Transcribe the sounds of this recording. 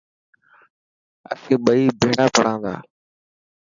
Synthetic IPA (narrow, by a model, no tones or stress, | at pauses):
ə̰sẽːɓəiːbʱeːɽaːpəɽãːnd̪a̰ː